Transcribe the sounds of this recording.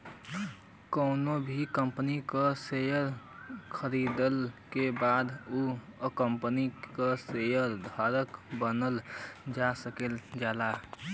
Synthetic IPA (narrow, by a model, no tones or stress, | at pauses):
kəʊnobʱikəmpənikəsejəɾkʰəɾid̪əlkebad̪uəkəmpənikəsejəɾd̪ʱaɾəkbənəld͡ʒasəkeld͡ʒala